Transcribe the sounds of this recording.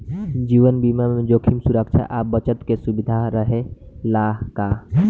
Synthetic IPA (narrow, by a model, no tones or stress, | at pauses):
d͡ʒiːʋənbimamẽd͡ʒoːkʰimsuɾəkt͡ʃʰa̰ʔaːp̚bət͡ʃət̪kesubɪd̪ʱaɾəɦelaːɦka